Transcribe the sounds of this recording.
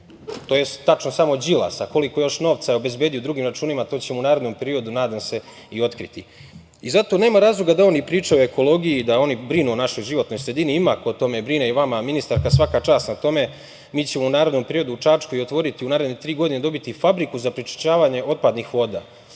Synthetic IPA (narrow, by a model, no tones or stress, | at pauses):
t̪ojesːat͡ʃnosamo̞d͡ʑilˠa̰sako̞liko̞jo̞ʃno̞ːʋt̪sajeobe̞zbe̞d̪iod̪ɾuɡimɾat͡ʃuːnimat̪oːt͡ɕemounaːɾe̞d̪no̞mpe̞ɾio̞d̪unaːd̪amse̞ | io̞t̪kɾit̪i | izat̪o̞ne̞ːmaɾaːzlˠuɡad̪ao̞nipɾiːt͡ʃaoe̞ko̞lo̞ːɡijid̪ao̞nibɾinuo̞naʃo̞jʒiʋo̞t̪no̞jsɾe̞d̪iniimakot̪o̞me̞bɾineʋamaminist̪aɾkasʋakat͡ʃaːst̪nat̪o̞me̞ | miːt͡ɕe̞mounaːɾe̞d̪no̞mpe̞ɾio̞d̪uut͡ʂat͡ʃkoio̞t̪ʋo̞ɾit̪iunaːɾed̪net̪ɾiːɡo̞d̪ined̪o̞bit̪ifabɾikuzapɾit͡ʃi̥t͡ʃaːʋaːɲe̞ʔo̞t̪̚pad̪nixʋo̞ːd̪a̰ː